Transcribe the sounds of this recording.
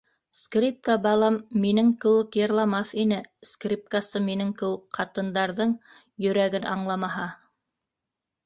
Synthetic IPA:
skrʲip̚kabɑlˠɑmːinɘŋkɘ̆wɘkjɤ̆ɾlˠɑmɑθinɘskrʲip̚kasɤminɘŋkɘ̆wɘkqɑt̪ɤ̆nd̪ɑɾðɤɴ | jɵ̆ɾæɡɘnʔɑɴlˠɑmɑɦɑ

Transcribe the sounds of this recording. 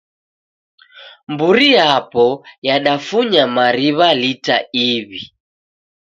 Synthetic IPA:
mbuɾijapɔjaɗafuɲamaɾiβalita̰iβi

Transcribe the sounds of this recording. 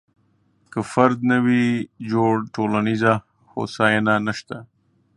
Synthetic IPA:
kəfaɾd̪nawid͡ʒoɽʈolaniza | xo̰saːjananaʃt̪a

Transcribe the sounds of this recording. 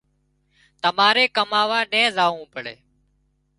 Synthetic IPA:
t̪əmaːɾeːkəmaːʋaːɗẽːzaːũːpəɽḛː

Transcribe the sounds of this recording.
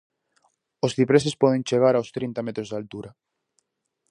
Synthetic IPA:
osθipɾes̬espɔðẽnt͡ʃeɣ̞aɾawst̪ɾint̪amet̪ɾozðalt̪uɾa

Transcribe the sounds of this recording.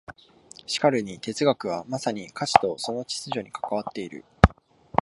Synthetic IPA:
ɕi̥kaɾɯ̟ɲ̟it̪e̞t͡sɨɡakɯ̟β̞amasaɲ̟ikʰaɕi̥t̪o̞so̞no̞t͡ɕi̥t͡sɨʑo̞ɲ̟ikḁkaβ̞at̪ːe̞iɾɯ̰

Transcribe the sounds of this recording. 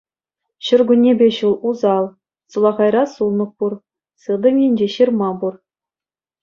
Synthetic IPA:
ɕɘ̆rɡunʲːebʲeɕulˠuzɑlˠ | sulˠɑʁɑjrɑsulˠnɤ̆χ̚pur | sɯd̪ɤ̆mʲenʲd͡ʑeɕɯrmɑbur

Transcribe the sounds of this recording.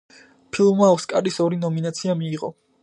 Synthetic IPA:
pʰilˠmaɔskʼaɾisɔɾinɔminat̪sʰiamiːʁɔ̰

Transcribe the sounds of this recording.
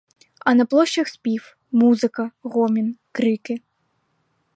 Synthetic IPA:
ɐnɐplˠɔɕʲt͡ɕːɐxsʲpʲif | muzɨkɐɣɔmʲinkɾɨkɨ

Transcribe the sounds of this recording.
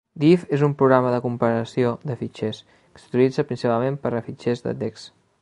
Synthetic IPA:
d̪ifezumpɾuɣɾaməðəkumpəɾəsioðəfit͡ʃes | kə̥su̥t̪ilid͡zəpɾinsipalˠmempəɾəfit͡ʃezðə̰d̪eks

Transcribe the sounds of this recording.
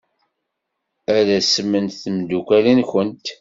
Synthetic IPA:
æðæsmːənθəmd̪ukʷælinçənt̪

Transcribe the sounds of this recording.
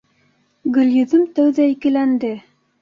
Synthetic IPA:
ɡɵ̆ljɵ̆ðɵmt̪æwðæikɘ̆lænd̪ɘ

